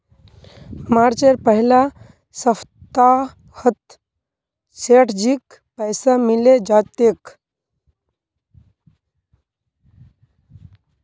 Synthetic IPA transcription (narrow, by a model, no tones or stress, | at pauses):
maɾt͡ʃeɾpəɦila | səft̪a | hət̪ | seʈʰd͡ʑik | pəjsamiled͡ʒat̪ek